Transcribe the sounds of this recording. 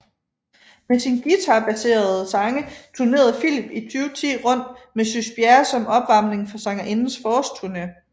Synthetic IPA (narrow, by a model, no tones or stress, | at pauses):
mesinɡ̥it͡sʰɑ̈b̥æse̝̰ːɐð̩ˠsɑ̈ŋət͡sʰuɐne̝̰ːɐð̞̩ˠfilib̥it͡sʰyːʊt͡sʰḭːʁɔ̽n̰d̥mesysb̥jæɐsɒ̽mɒ̽b̥ʋɑ̈m̰ne̝ŋfɒ̽sɑ̈ŋɐʔe̝nn̩sfɒːsd̥t͡sʰuɐne